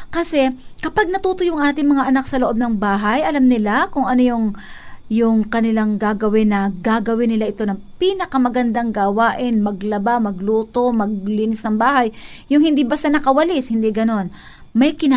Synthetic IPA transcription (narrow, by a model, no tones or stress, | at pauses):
kɐsɛkɐpaɡ̚nɐt̪uːt̪ojʊŋʔaːt̪ɪŋmɐŋaʔɐnak̚sɐloʔo̞b̚nɐŋbaːɦajʔɐlamnɪlakʊŋʔɐnojʊŋjʊŋkɐnɪlaŋɡaːɡɐwɪnɐɡaːɡɐwɪnɪlaʔɪt̪o̞nɐŋpiːnɐkɐmɐɡɐnd̪aŋɡawaːʔɪnmɐɡlɐbamɐɡluːt̪o̞mɐɡ̚liːnɪsnɐŋbaːɦɐjːʊŋhɪnd̪ibɐst̪anɐkɐwɐlɪshɪnd̪iɡɐno̞n | mɐjkɪna